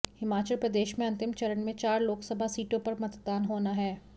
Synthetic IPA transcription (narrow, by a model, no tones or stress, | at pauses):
hɪmaːt͡ʃəlpɾɐd̪eːʃmẽɐ̃nt̪ɪmt͡ʃɐɾənmẽt͡ʃaːɾloːksɐbʱasiːʈõpɐɾmɐt̪d̪aːnɦoːnaɦɛː